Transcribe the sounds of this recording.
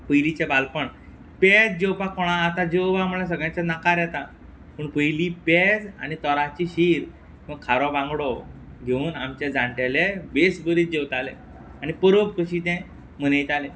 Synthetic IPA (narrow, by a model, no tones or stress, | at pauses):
pəjlit͡ɕɛbalpəɳ | pɛd͡z̚d͡ʑewpakɔɽ̃aːt̪ad͡ʑewʋam̤ulasəɡjãt͡sanakaɾjɛt̪a | pəɳpəjliped͡za̰ñit̪ɔɾat͡ɕiːɕiɾ | məkkʰːaɾɔbãŋɡɽɔɡʱeuːnamt͡ɕed͡zãɳʈelebesbəɾiːt̪̚d͡ʑewt̪alẽ | añipəɾop̚kəɕit̪ɛ̃ | m̤ənəjt̪alẽ